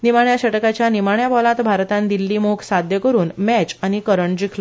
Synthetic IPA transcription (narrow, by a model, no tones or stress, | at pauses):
nimaɳjaɕəʈkat͡ɕjanimaɳjabɔlãt̪bʱaɾt̪ãnd̪ilːiːmoksad̪ʱjəkəɾuːnmɛt͡ɕañikəɾəɳd͡ʑikʰlɔ